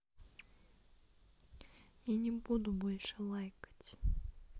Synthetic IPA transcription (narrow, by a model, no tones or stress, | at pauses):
janʲɛbud̪ʊbɔlʲʂɛlˠajkɐ̥tʲ